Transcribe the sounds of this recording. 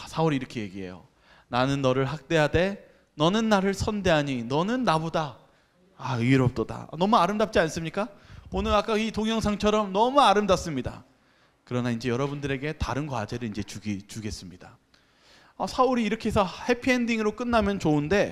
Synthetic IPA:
asʰauɾiɾʌkʰe̞je̞ɡiɦe̞̰jo̰ | nanɯnːʌɾɯɭɦak̚t͈e̞jade̞ | nʌnɯnːaɾɯɭsʰʌnde̞ɦaɲinʌnɯnːabodaː | ɾʌp̚t͈oda̰nʌmuaɾɯmdap̚t͡ɕ͈ians͈ɯmɲik͈aonɯɾak͈aitoŋjʌŋsʰaŋt͡ɕʰʌɾʌmnʌmuaɾɯmdap̚s͈ɯmɲida̰ | kɯɾʌnaind͡ʑe̞jʌɾʌbundɯɾe̞ɡe̞taɾɯnɡwa̰d͡ʑe̞ɾɯind͡ʑe̞t͡ɕuɡit͡ɕuɡe̞s͈ɯmɲid̥a | asʰauɾiːɾʌkʰeesʰʌhe̞pʰiendiŋɯɾok͈ɯnːamjʌnt͡ɕounde̞

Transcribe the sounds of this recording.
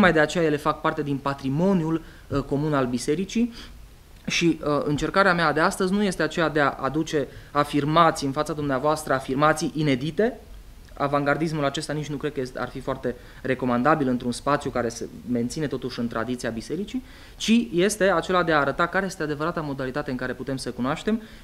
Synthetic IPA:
okmajd̪e̞at͡ʃe̞jaje̞le̞fak̚part̪e̞d̪inpat̪ɾimo̞njul | ko̞munalbise̞ɾit͡ʃi | ʃiəɨnt͡ʃe̞rkaɾeamead̪e̞ast̪əzʲnuje̞st̪e̞at͡ʃe̞jad̪e̞aʔa̰d̪ut͡ʃe̞afirmat̪siɨnfat̪sad̪umneavoast̪ɾəafirmat̪sijʔine̞d̪it̪e̞ | a̰vaŋɡard̪is̬mulat͡ʃe̞st̪anit͡ʃnukɾed̪̚kəesa̰rfifoart̪e̞ | re̞ko̞mand̪abilɨnt̪ɾunspat̪sʲjukaɾe̞se̞̰me̞nt̪sine̞t̪o̞t̪uʃɨnt̪ɾad̪it̪siabise̞ɾit͡ʃi | t͡ʃije̞st̪e̞at͡ʃe̞lad̪eaːɾət̪akaɾeje̞st̪ead̪e̞vəɾat̪amo̞d̪alit̪at̪e̞ɨŋkaɾe̞put̪e̞msəkunoaʃt̪e̞m

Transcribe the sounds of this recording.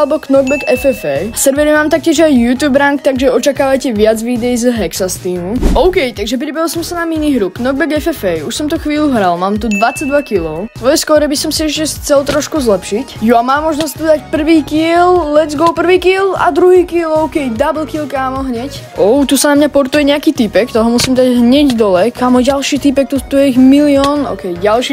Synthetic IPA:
lɛbɔknɔɡ̚bɛɡɛfɛfɛːsɛɾʋɛɾimaːmt̪ak̚cɪɛʒajːuːt̪juːbɾaŋkt̪aɡʒɛɔt͡ʃakaːʋajcɛʋɪad͡zʋid̪ɛjizɦɛksast̪iːmuʔɔʊkɛjt̪aɡʒɛp̬ɾibɛɦilˠsɔmsanaminiɦɾuknɔɡ̚bɛɡɛfɛfɛjuʃsɔmt̪uxʋiːluɦɾalmaːmt̪̬ud̪ʋat͡saɟd̪ʋakilɔʊɔjɛskɔɾɛbisɔmsiɛʃcɛxt͡sɛlt̪ɾɔʃkuzlɛpʃicjuamaːmɔʒnɔsc̚t̪ud̪acpr̩ʋiːkillɛd͡zɡɔlpr̩ʋiːkiːla̰d̪ɾuɦiːkiːlɔʊkɛjd̪abl̩kiːlkaːmɔɦɲɛc | ʔɔʊt̪usanamɲapɔɾt̪ujɛɲɛakiːt̪ipɛkt̪ɔɦɔmusimd̪aɟɦɲɛɟd̪ɔlɛkaːmɔjɟalʃiːt̪ipɛk̚t̪ut̪ujɛiɣmiliɔːnɔ̰ʊkɛjɟalʃiː

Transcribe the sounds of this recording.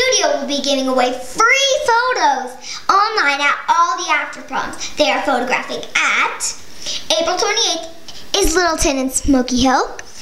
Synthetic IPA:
ʉɾioʊwɪlˠbiɡɪvɪ̃ŋəweɪθɹifoʊɾoʊz | ɑ̃nlãɪ̃ñɨɾɔlˠðiæftə˞pʰɹ̥ɑ̰̃ntsðeɪə˞foʊɾɨɡɹæ̰fɪ̃ŋɨt | eɪpɹl̩ˠtʰw̥ɛ̃ñieɪθ | ɪzlɪɾl̩ˠtʰɨ̃nɨ̃nsmoʊkiɦɪlˠ

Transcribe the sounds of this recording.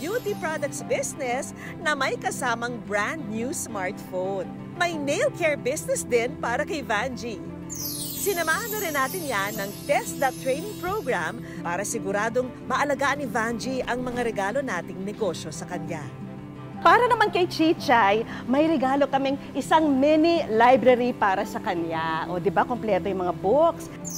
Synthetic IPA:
bjut̪ipɹad̪ɐk̚t̪sbɪsnɛs | nɐmɐjkɐsaːmɐŋbɹand̪̚njusmaɹt̪fown | mɐjnejlkʰɛɹbɪsnɛsd̪ɪnpaːɾɐkɐjvand͡ʒi | sɪnɐmaːhɐnːɐɾɪnːaːt̪ɪnjanːɐŋt̪ɛsd̪ɐt̪ːɹejnɪŋpɹowɡɹam | paːɾɐsɪɡʊɾaːd̪oŋ | mɐʔɐlɐɡaːʔɐnɪvand͡ʒiʔɐŋmɐŋaɾɛɡaːlo̞naːt̪ɪŋnɛɡo̞ʃjo̞sɐkɐnja | paːɾɐnɐmankɐjt͡ʃit͡ʃajmɐjɾɛɡaːlo̞kɐmɛŋʔɪsaŋmɛnilajbɾɐɾipaːɾɐsɐkɐnjaʔo̞d̪ɪbakomplɛːt̪ojʊŋmɐŋaboks

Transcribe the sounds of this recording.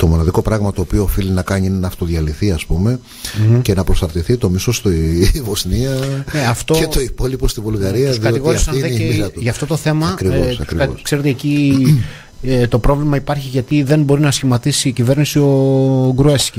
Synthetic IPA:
t̪o̞mo̞nɐðiko̞pɾɐɣmɐt̪o̞ːpio̞ːfilinɐkɐɲiinenɐːft̪o̞ðʝɐliθiɐspume̞ | ce̞nɐpɾosɐɾt̪iθit̪o̞misost̪ivosniɐneɐft̪oet̪oipo̞lipost̪ivulɣɐɾiɐsðiɐtoitɣoɾiɐsɐeeiɐt̪ʝɐft̪o̞t̪o̞θe̞mɐɐkɾivosɐkɾioskse̞ɾe̞t̪eeci | t̪o̞pɾo̞vlimɐipɐɾçiʝɐt̪iðe̞nbo̞ɾinɐsçimɐt̪isiːcive̞ɾnisio̞ɡɾuesci

